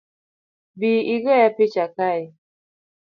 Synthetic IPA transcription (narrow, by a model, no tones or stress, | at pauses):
biiɡɔjapɪt͡ʃakaɪ